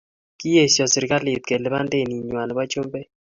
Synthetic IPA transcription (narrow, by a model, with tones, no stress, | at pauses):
ki˦je˦˨sjɔ˨si˨ɾɪ˦ka˦lɪ˨u˨t̪̚ke˨le˦ba˦nde˦˨ni˨ɲwa˨nɔ˨ba˦t͡ʃo˦mbe˦